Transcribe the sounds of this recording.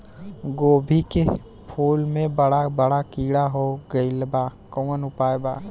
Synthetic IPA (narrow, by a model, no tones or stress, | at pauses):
ɡoːbʱike | pʰoːlmẽbəɽabəɽakiːɽaɦoɡəɪlbaːkəwənʊpaːjbaː